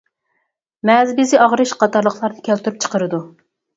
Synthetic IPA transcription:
mɛzbɪzɪʔɑʁɾɨʃqɑt̪ɑɾlˠəχlˠɑɾnɨkʲʰɛlt̪ʰyɾyp̚t͡ʃʰə̥qəɾɨd̪u

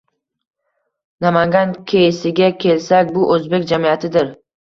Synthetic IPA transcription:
namaŋɡʲankʲʰejɪsɪɡʲakʲʰe̞lsakʲbʊʔɵzbekʲd͡ʒamijat̪ʰɪd̪ɪɾ

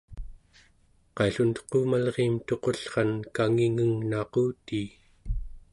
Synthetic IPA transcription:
qɑjɬunt̪ə̥quːmalʁeːmt̪o̞qo̞ɬχɑnkaŋiŋəŋnɑquːt̪iː

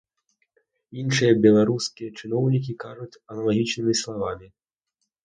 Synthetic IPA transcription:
inʂɨjɐbʲɛlˠaɾuskʲijɐt͡ʂɨn̪ɔwnʲik̬ʲikaʐut͡sʲɐnɐlˠaɣʲit͡ʂnɨmʲislˠavamʲi

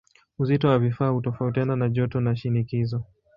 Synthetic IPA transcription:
uzitɔwavifaːhutɔfautiananaʄɔtɔnaʃinikizɔ

